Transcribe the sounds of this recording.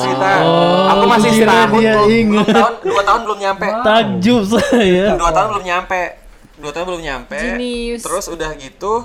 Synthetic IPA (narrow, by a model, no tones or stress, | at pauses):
it̪aoaiɾadiaiŋat̪̚duat̪aɦʊnbəlʊmɲampɛt̪ad͡ʒʊʔsajaduat̪aɦʊnbəlʊmɲampɛ | duat̪aɦʊnbəlʊmɲampɛd͡ʒinist̪əɾʊsudahɡit̪u